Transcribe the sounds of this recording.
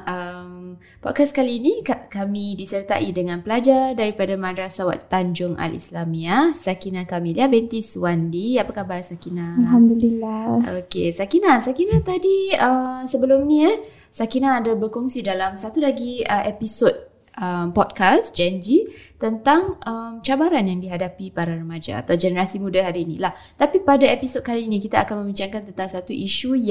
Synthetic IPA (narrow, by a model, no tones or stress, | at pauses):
əm | pɔ̰t̚kaskaliːnikakamĩdisərt̪a̰ʔidəŋãnpəlad͡ʒardaɾipadamãdɾasawa̰t̪ːaɲd͡ʒʊŋa̰lḭslamiasakinakamiliabɛnt̪iswandiapakahbarsakinãalɦamd̪ulilao̰kesakinasakinat̪adiəmsəbəlʊmnĩa | sakinaːdabərkɔŋsidalamsat̪ulaɡiəʔepisot̚ | əmpɔt̚kasd͡ʒɛnd͡ʒit̪ənt̪aŋʔəmt͡ʃabaɾanjaŋdiɦadapipaɾarəmad͡ʒa̰ːt̪awd͡ʒɛnəɾasimũdaɦaɾiːnḭlah | t̪apipadaepisot̚kalinĩkit̪aːkanmə̃mbit͡ʃaŋkant̪ənt̪aŋsat̪uʔiʃuj